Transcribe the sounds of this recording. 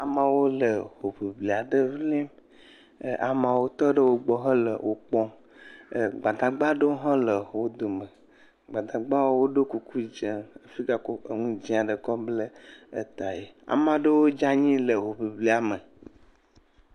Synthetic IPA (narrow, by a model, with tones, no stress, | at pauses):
a˨mã˨wo˦lə˨ɦo˨ɸi˨bli˨a˨ɖə˦vli˦m˨ | ʔa˨mã˨wo˦t̪ɔ˦ɖə˦wo˦ɡ͡bɔ˦ɦə̃˦lə̰˨wʔo˨k͡pɔ̃˦˨ | ɡ͡ba˨d̪a˨ɡ͡ba˦ɖə˦wo˦ɦã˦lə˨wo˦d̪o˨mə˨ | ɡ͡ba˨d̪a˨ɡ͡ba˦wo˦wo˦ɖo˦ku˨ku˦d͡ʒẽ˨ə˨fi˦ɡa˨ko˦e˨ŋũ˦d͡ʑĩ˦a˨ɖə˨kɔ˦blə˦e˦t̪a˨je˨a̰˨mã˦ɖə˦wo˦d͡ʒa˦ɲĩ˦lə˨ɦo˨ɸi˨bli˨a˨mə˨